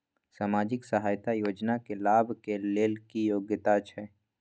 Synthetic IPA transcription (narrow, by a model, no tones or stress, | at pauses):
saːmaːd͡ʒɪksəɦaːjt̪ajoːd͡ʒnakelaːbʱkeleːlkijoːɡjət̪at͡ʃʰɛː